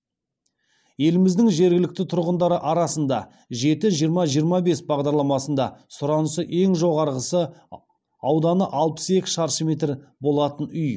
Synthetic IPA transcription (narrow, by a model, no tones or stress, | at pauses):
je̞lɪmɪzd̪ɪŋʒe̞ɾɡʲɪlɪk̚t̪ɪt̪ʰʊɾʁənd̪ɑɾəʔɑɾɑsənd̪ɑ | ʒe̞t̪ɪʒijəɾmɑʒijəɾmɑbe̞sbɑʁd̪ɑɾlˠɑmɑsənd̪ɑsʊɾɑnəsəʔe̞ŋʒo̞ʁɑɾʁəsə | ɑwd̪ɑnəʔɑlˠpə̥se̞kʲɪ̥ʃɑɾʃəmʲe̞t̪rbo̞lˠɑt̪ənʏj